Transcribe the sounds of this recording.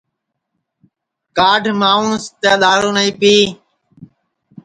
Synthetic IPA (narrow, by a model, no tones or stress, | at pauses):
kaːɖʱmaːuːɳst̪jaːɗ̪aːɾõːnəĩːpiː